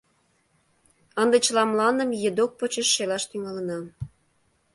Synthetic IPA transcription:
ənd̪ĕt͡ɕəlɑmlɑnə̆mjed̪ok̚pət͡ɕeʃːelɑʃt̪yŋɑlənɑ

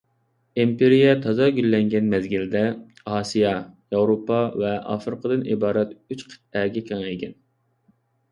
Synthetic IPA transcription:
impeɾijɛt̪ʰɑzɑɡʲylːɛŋɡʲɛnmɛzɡʲild̪ɛ | ɑːsijɑjɑwɾopʰːɑvɛʔɑ̰fɾɨqəd̪ɨnibɑːɾɛt̪yt͡ʃqʰə̥t̪̚æɡʲɛkʲʰɑŋeɡʲɛn

